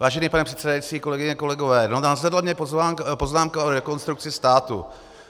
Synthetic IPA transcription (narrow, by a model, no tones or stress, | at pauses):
vaːʒɛniːpanɛpr̝̥ɛt̪sɛdajit͡siːko̞lɛɡɪɲɛko̞lɛɡovɛːnonazlɛdlamɲɛpozapo̞znaːmkaʔoɾɛko̞nst̪ɾuk̚t͡sɪst̪aːt̪ṵ